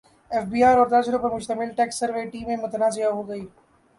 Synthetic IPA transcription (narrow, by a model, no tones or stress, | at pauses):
ɛːfbiːaːɾɔːɾt̪aːd͡ʒɾopɐɾmʊʃt̪ɐmɪlʈɛːksːɐɾʋeʈiːmẽmʊt̪ənaːzɪjaɦoːɡɐiː